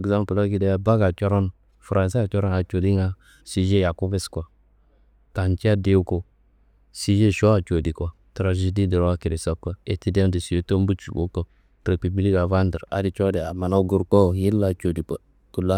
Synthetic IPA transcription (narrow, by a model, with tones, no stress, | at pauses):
ɡza˦mpla˦ɡi˨de˦a˦ba˦ɡa˨t͡ʃɔ˦ɾɔ˦n | fɾʔa˨s̬i˦a˨t͡ʃɔ˦ɾɔ˦na˨t͡ʃo˨di˦ŋa˦ | si˨ʒe˦ja˨ku˦be˦skʷa˨ | ta˨nt͡ʃi˦a˦de˦wko˨ | si˦ʒe˦ʃo˦a˨t͡ʃo˨di˨kʷa˨ | tɾa˨ʒe˨di˦di˨ɾwa˦ki˨ɾi˨sa˦kʷːa˦e˨ti˦de˦mdi˨si˨o˦to˦m˦bu˦t͡ʃu˨ɡo̰˦ko˦˨ | tɾe˨pi˨bli˦ka˨va˦ndə˨ɾa̰˨˦di˨t͡ʃo˦di˨a˨ma˨na˦ɡu˦ɾko˦ji˦lːa˨t͡ʃo˨di˨pa˨ | ku˨la˦